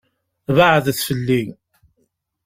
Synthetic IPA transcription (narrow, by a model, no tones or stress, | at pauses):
vaʕðθfəlːiŋ